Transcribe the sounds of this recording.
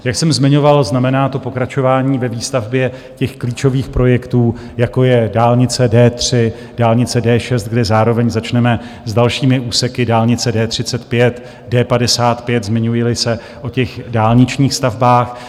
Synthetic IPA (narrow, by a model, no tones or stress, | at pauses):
jaksɛmzmɪɲo̞valznamɛnaːt̪o̞po̞kɾat͡ʃo̞vaːɲiːvɛviːst̪avbjɛ | cɛxkliːt͡ʃo̞viːxpɾo̞jɛkt̪uː | jako̞jɛdaːlɲɪt͡sɛdɛːt̪r̝̥ɪ | d̥aːlɲɪt͡sɛdɛːʃɛst̪̚ɡdɛzaːɾo̞vɛɲzat͡ʃnɛmɛ | zdalʃiːmɪʔuːsɛkɪdaːlɲɪt͡sɛdɛːt̪r̝̥ɪt͡sɛt̪pjɛt̪ | dɛːpadɛsaːt̪pjɛt̪zmɪɲujɪlɪsɛ | ʔo̞cɛxdaːlɲɪt͡ʃɲiːxst̪avbaːx